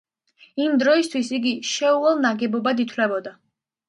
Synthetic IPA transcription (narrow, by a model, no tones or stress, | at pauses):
imd̪ɾɔist̪ʰwisiɡiʃɛuɛlˠnaɡɛbɔbad̪it̪ʰwlɛbɔd̪a